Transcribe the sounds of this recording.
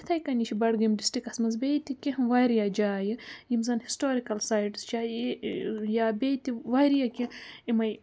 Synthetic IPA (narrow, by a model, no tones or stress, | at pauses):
it̪ʰɐjkɐnit͡ʃʰibɐɽɡɨmɖisʈɾikɐsmɐzbeːt̪ikʲiɦʋajɾjad͡ʒaːjɨjimzɐnhisʈoːɾikɐlsaːjʈst͡ʃaː | jaːbeːjt̪iʋajɾijakʲiimɐj